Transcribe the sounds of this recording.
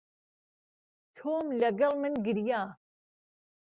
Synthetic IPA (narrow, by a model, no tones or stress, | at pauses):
t̪ʰoːmlɐɡɐlmɨnɡiɾjaː